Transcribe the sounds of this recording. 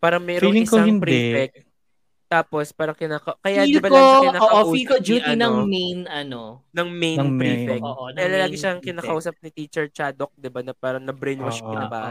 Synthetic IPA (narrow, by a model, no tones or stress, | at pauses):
paːɾɐŋmɛːɾoŋɪksɐŋpɾifɛk̚ | t̪aːpospaːɾɐŋkɪnaːkɐkɐjadɪbank̪okɪnaːoːʔoʔufːikod͡ʒuːinɐŋmejnɐnonɐŋmejnɐŋpɾiːfɛkoʔalɐlaːɡɪʃaŋkɪnaːkɐʔuːsɐp̚nɪt̪iːt͡ʃɛɹt͡ʃaːd̪ok̚d̪ɪbanɐpaːɾɐŋnɐbɾejnwɐʃkɪnɐba̰ː